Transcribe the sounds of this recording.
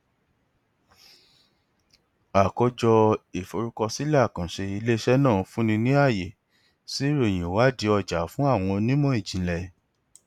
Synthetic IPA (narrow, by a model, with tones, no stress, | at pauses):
a˨kɔ˧d͡ʒɔ˧e˨fo˧ɾu˦kɔ˧si˦lkã˨ʃe˧i˧le˦ʃɛ˦nãː˦˨˧fũ˦nĩ˧nĩ˦a˦˨je˨ | si˨˦ɾo˦˨j̃ĩ˨wa˦di˧ɔ˧˨d͡ʒa˨˦fũ˦a˦˨w̃ɔ̃˧nĩ˦mɔ̃˦i˦˨d͡ʒĩ˨˦lɛ˨